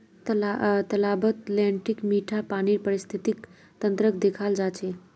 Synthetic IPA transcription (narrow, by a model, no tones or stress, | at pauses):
t̪at̪əlabət̪lɛɳʈikmiʈʰapaniɾpəɾist̪ʰit̪ik | t̪ənt̪ɾəkd̪ekʰald͡ʒat͡ʃʰe